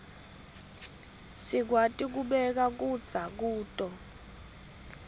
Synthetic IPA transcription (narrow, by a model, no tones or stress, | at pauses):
sik̬watʼik̬uɓɛk̬ak̬ud̥z̥ʱak̬uːtʼɔ